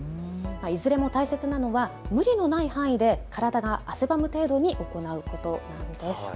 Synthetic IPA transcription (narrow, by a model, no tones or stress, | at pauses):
maizɨɾe̞mo̞t̪aise̞t͡sɨnano̞βamɯ̟ɾʲino̞naihãɰ̃id̪e̞kaɾad̪aɡaːsebamɯ̟t̪e̞ːd̪o̞ɲ̟iʔo̞ko̞naɯ̟ko̞t̪o̞nãnd̪e̞sɨ̥